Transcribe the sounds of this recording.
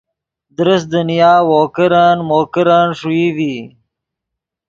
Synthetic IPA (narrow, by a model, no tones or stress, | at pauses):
d̪ɾəs̚d̪ənijɑːwoːkəɾanmoːkəɾanʂuiːwi